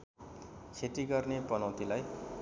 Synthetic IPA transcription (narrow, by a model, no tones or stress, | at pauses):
t͡sʰeʈiɡʌrnepʌnʌwt̪ilaj